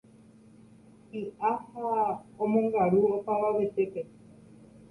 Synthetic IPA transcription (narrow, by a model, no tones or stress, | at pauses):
iʔahaomõŋɡaɾuopaβaβet͡ʃeke